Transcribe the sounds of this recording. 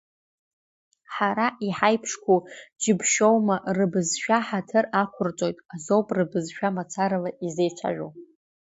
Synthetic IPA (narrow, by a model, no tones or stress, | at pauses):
ħaɾaʔiħajpʰʂkʷʰud͡ʒɪbʃowmaʔrɨbɨzʃᶣaħatʰɨrakʷʰʊrt͡sʼo̞jtʼazowpʼrɨbɨzʃᶣamat͡sʰaɾalaʔize̞jt͡ʃʷʰa̰ʒʷᶣowʼ